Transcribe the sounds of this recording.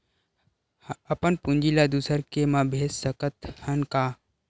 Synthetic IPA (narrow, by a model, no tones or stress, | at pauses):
əpənpund͡ʒilad̪usəɾkemãbʱeːssəkət̪hənka